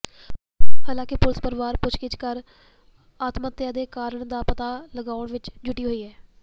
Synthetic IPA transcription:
haːlãːkɪpʊlɪspəɾʋaːɾpʊt͡ʃkɪt͡ʃkəɾ | aːt̪mət̪ːjaːd̪eːkaːɾəɳd̪aːpət̪aːləɡaːʊɳʋɪt͡ʃd͡ʒʊʈiːɦoːiːɦɛː

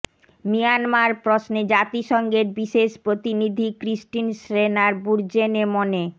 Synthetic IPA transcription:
mijanmaɾpɾosned͡ʑat̪iʃɔŋɡeɾbiʃeʃpɾot̪inid̪ʱikɾisʈinʃɾenaɾbuɾd͡ʑenemone

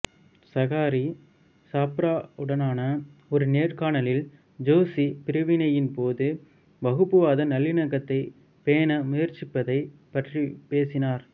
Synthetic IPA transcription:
sɐɣaːɾi | saːpɾaːɯɽɐnaːnɐɔɾɯneːrkaːɳɐlɪl | d͡ʒoːsipɪɾɐʋɪnɐjɪnpoːðɯ | bɐɣɯpːɯʋaːðɐnɐlːɪnɐɣɐt̪ːɐɪ | peːnɐmʊjɐɾt͡ʃɪpːɐðɐɪpɐʈripeːsɪnaːɾ

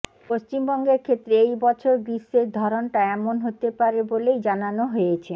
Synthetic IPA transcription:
post͡ɕimbɔŋɡeɾkʰet̪ːɾeejbɔt͡ɕʰoɾbisːeɾd̪ʱɔɾonʈaɛmonɦot̪epaɾebolejd͡ʑananoɦojet͡ɕʰe

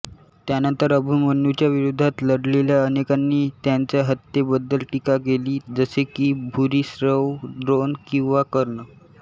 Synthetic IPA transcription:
t̪janənt̪əɾəbʱumənut͡ɕjaʋiɾud̪ʱːat̪ləɽleljaənekanːiːt̪jaɲt͡ɕjaɦət̪ːebəd̪ːəlʈikakeliːd͡zəsekiːbʱuɾiːsɾəʋɖɾonkĩw̃ʋakəɾɳə

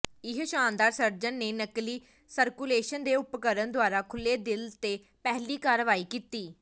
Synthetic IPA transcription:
ɪɦʃaːnd̪aːɾsəɾd͡ʒənːeːnəkliː | səɾkuleːʃənd̪eːʊpkəɾənd̪oaːɾaːkʰʊlːeːd̪ɪlt̪eː | pɛɦliːkaːɾʋaːiːkiːt̪iː

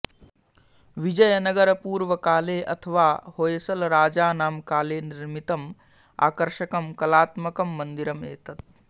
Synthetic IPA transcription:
ʋid͡ʒɐjɐnɐɡɐɾɐpuːɾʋɐkaːleːʔɐt̪ʰɐʋaːhoːjsɐlɾaːd͡ʒaːnaːmkaːleːniɾmit̪ɐm | a̰ːkɐɾʃɐkɐmkɐlaːt̪mɐkɐmːɐnd̪iɾɐmḛːt̪ɐt̪̚

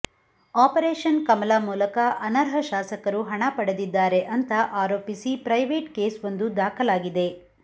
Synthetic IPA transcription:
aːpɐɾeːʃɐnkɐmɐlaːmuːlɐkɐʔɐnɐɾɦɐʃaːsɐkɐɾuɦɐɳɐpɐɽɐd̪id̪ːaːɾe̞ʔɐnt̪ɐʔaːɾo̞ːpisipɾɐjʋeːʈkeːsʋond̪ud̪aːkʰɐlaːɡid̪e̞

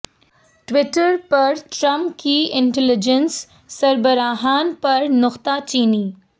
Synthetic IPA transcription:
ʈʋɪʈəɾpɐɾʈɾɐ̃mpkiɪ̃ɳʈɛlɪd͡ʒənsː | ɐɾbəɾaːɦaːnpɐɾnʊqt̪at͡ʃiːniː

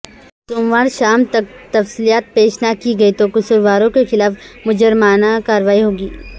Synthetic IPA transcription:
t̪ʊmʋaːɾʃaːmt̪ɐk̚t̪ɐfsiːlijaːt̪̚peːʃnakiɡɐit̪okʊsʊɾʋaːɾõkexɪlaːfmʊd͡ʒəɾmaːnakaːɾʋaːiɦoːɡiː

